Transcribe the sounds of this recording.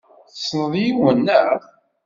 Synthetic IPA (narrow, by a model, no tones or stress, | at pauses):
θsnəðˤjiwənːəʕθ